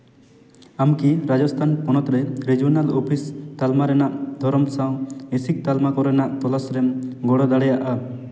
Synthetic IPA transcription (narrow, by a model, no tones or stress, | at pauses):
amkiɾad͡ʒɔst̪ʰanpɔnɔt̪ɾɛɾid͡ʒiɔnalopʰist̪almaɾɛnaʔd̪ʱɔɾɔmsaw̃esik̚t̪almakɔɾɛnaʔt̪ɔlasɾɛmɡɔɽɔd̪aɽɛjaʔa